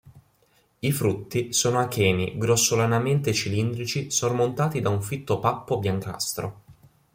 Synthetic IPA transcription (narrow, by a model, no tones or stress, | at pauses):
ifɾut̪ːisoːnoakɛːnḭɡɾosːolanament̪et͡ʃilind̪ɾit͡ʃisormont̪aːt̪id̪auɱfit̪ːopapːobjaŋka̰st̪ɾo